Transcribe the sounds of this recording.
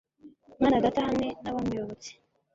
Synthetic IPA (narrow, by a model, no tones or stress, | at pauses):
maːnaɡatahame̞naβamujoβot͡se̥